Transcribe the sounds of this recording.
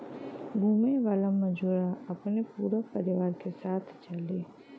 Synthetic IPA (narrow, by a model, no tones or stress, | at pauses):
ɡʱuːmeʋaːlamɐd͡ʒuːɾaɐpnepuːɾapɐɾɪʋaːɾkesaːt̪ʰt͡ʃɐleː